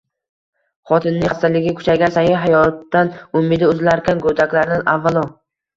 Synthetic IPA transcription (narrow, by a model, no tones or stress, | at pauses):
χɒt̪ʰɪnːɪast̪alɪɡʲɪkʰʊ̥t͡ʃʰaɡʲansajɪɦajɒt̪ːanʊmːɪd̪ɪʊzlaɾkʲʰanɡod̪akʲlaɾnɪnʔavːalˠɒ